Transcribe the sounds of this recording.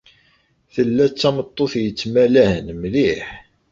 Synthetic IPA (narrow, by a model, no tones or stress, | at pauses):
θəlːæt͡sːæmət̪ˤːoθjət͡sːmælæhənmliħ